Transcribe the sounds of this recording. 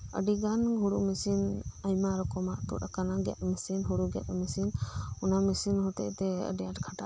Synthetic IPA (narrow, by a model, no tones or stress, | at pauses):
ə̰ɖiɡanɡʱuɽuʔmisinajmaɾɔkɔmaʔt̪ṵɾakanaɡɛ̰ʔ̪̚misinɦuɽuɡɛ̰t̪misinɔnamisinɦɔt̪ɛ̰ʔt̪ɛə̰ɖɛjaʈkʰaʈaʔ